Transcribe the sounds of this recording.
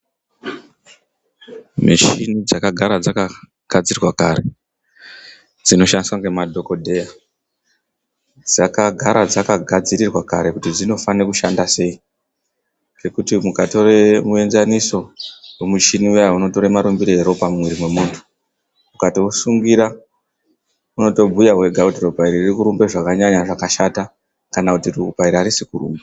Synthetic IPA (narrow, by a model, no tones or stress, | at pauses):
mit͡ʃinid͡zakaɡʱaɾad͡zaka | ɡ̥ʱad͡zirwakare̞ | d͡zino̞ʃandiswaŋɡe̞madʱo̞ko̞dʱe̞ja | d͡zakaɡʱaɾad͡zakaɡʱad͡ziɾirwakaɾe̞kutid͡zino̞fanekuʃandase̞i | ke̞kutimukatoremue̞nzaniso̞wemut͡ʃiniauno̞to̞ɾemaɾumbiɾeeɾo̞pamumwiɾimwe̞muntʰu̥ | mukatiwosuŋɡiɾa | uno̞to̞bʱujaɦwe̞ɡʱakutirupaiɾiririkuɾumbe̞ʐakaɲaɲaʐakaʃata | kanakutirupaiɾiaɾisikurṵːmba